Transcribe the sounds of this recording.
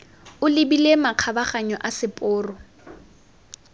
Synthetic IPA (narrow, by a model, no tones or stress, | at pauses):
ʊlɪbilemaq͡χʰabaχaɲɔʔasɪpʼʊːrɔ